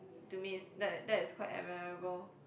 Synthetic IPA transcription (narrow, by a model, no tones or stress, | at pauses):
tumiɪsdɛtdɛtɪskʰwaɪtɛ̰mɛɹəbəl